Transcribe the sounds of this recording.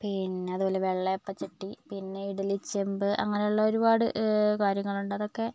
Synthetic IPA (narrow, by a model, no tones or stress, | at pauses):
pinːe̞ɐðubo̞ːle̞ʋeɭːɐjopːɐt͡ɕiʈːipinːe̞iɽɐlit͡ɕːembɨʔɐ̰ŋːɐne̞juɭːɐo̞ɾubaːɽɨkaːɾjɐŋːɐɭuɳɖɐðo̞kːe̞